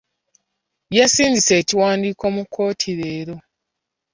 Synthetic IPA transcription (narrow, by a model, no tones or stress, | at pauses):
jasiːɲɟise̞ːciwaːndiːko̞mukʰːo̞ːtʰiɾe̞ːɾo̞